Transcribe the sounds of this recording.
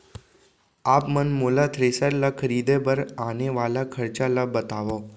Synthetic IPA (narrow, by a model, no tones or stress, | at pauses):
aːpmənmoːlat̪ʰɾeːsəɾlakʰəɾiːd̪ebəɾaːneʋaːlakʰəɾt͡ʃalabət̪aːʋoː